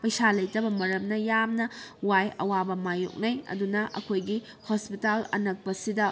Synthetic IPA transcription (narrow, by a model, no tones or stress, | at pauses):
pɐjsalɐjtɐbɐmɐɾɐmnɐjamnɐwajɐ̰wabɐmajo̰k̚nɐjɐ̰dunɐʔɐ̰kʰojɡi | hospitalɐnɐk̚pɐsidɐ